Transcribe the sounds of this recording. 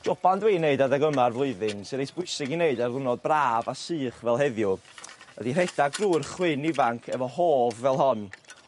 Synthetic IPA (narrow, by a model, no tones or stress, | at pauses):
d̥ɔb̥andweːneɨdadaɡəmarvlˠʊɨðɨnsɨɾejsb̥ʊɨsɪɡineɨdarðˠʊnɔd̚braːvasɨːχvɛlˠɦɛðjʊ | ə̰dir̥ɛd̥aɡruːrχwɪnivaŋkʰɛvɔhoːvːɛlˠɦɔn